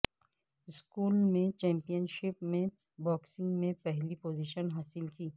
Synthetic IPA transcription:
ɪskuːlmẽt͡ʃɛ̃ːmpijənʃɪpmẽ | bɔːksɪ̃ŋɡmẽpɛɦlipoːziʃənɦaːsɪlkiː

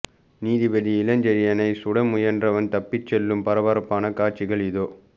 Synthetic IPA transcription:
niːðɪʋɐðiɪlɐɲd͡ʒɐɾɪjɐnɐɪsʊɽɐmʊjɐndrɐʋɐnt̪ɐpːɪt͡ʃːɛlːɯmpɐɾɐʋɐɾɐpːaːnɐkaːɾt͡ʃːɪɣɐɭɪðoː

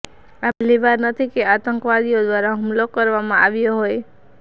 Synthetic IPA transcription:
aplibaɾnət̪ʰikeat̪əŋkʋad̪ijod̪waɾaɦumlokəɾʋamãa̰ʋijoɦoj

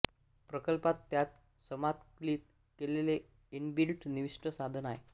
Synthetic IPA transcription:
pɾəkəlpat̪ːjat̪ | səmat̪kliːt̪̚ | kelele | inbilʈʰniʋiʂʈəsad̪ʱənaɦe

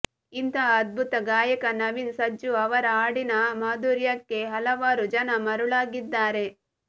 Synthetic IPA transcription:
int̪ʰɐːd̪̚bʱut̪ɐɡaːjɐkɐnɐʋinsɐd͡ʒuɐʋɐɾɐaːɽinɐmaːd̪uːɾjɐkːe̞ɦɐlɐʋaːɾud͡ʒɐnɐmɐɾuɭaːɡid̪ːaːɾe̞

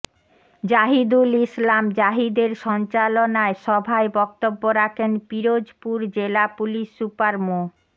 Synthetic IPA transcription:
d͡ʑaɦid̪ulislamd͡ʑaɦid̪eɾʃɔnt͡ɕalonaeʃɔbʱaebɔkt̪obːoɾakʰenpiɾod͡ʑpuɾd͡ʑelapuliʃːupaɾmo

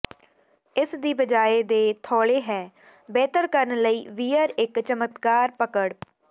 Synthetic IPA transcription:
ɪsd̪iːbəd͡ʒaːeːd̪eːt̪ʰɔːɭeːɦɛː | bɛːt̪əɾkəɾənləiːʋiːəɾɪkt͡ʃəmət̪kaːɾpəkəɽ

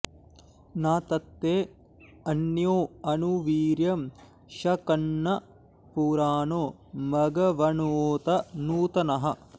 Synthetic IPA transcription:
naːt̪ɐt̪ːeː | ɐnjoːɐnuʋiːɾjɐm | ʃɐkɐnːɐ | puːɾaːnoː | mɐɡɐʋɐɳoːt̪ɐnuːt̪ɐnɐɦɐ

